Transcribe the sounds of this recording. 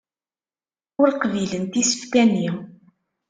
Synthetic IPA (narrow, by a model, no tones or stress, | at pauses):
ʊɾqvilənt̪isə̥fkæni